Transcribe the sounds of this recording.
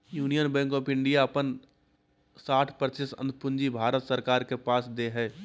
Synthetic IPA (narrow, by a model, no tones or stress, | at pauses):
juːnijənbɛ̃ŋkɔːpɪ̃ɳɖijaɐpən | saːʈʰpəɾt͡ʃɪsə̰̃nd̪̚ʱpʊ̃nd͡ʒibʱaːɾət̪səɾkaːɾkepaːsd̪eɦɛː